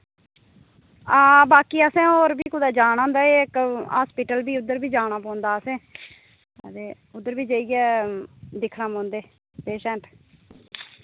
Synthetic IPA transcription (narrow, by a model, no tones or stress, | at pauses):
aːbaːkiːəsɛ̃ːoːɾbiːkʊd̪aːd͡ʒaːnãːnd̪aːeːɪkɦaːspiʈəlbiːʊd̪əɾbiːd͡ʒaːɽaːpɔ̃ːnd̪aːəsẽː | ət̪eː | ʊd̪ːəɾbiːd͡ʒəːiɡɛːd̪ɪkʰɽaːmõːnd̪eː | peːʃɛ̃ɳʈ